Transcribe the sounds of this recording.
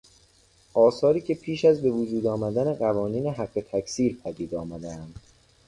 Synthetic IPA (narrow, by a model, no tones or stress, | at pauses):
ʔɒːsɒːɾiːcʰe̞pʰiːʃæzbe̞vod͡ʒuːd̪ɒːmæd̪æne̞ɢævɒːniːneɦæɢːe̞t̪ʰækʰsiːɾpʰæd̪iːd̪ɒːmæd̪eænd̪̥